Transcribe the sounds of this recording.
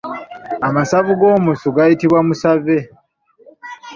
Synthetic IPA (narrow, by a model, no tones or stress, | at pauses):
amasaβuɡo̞ːmusuɡajitiβwamusave̞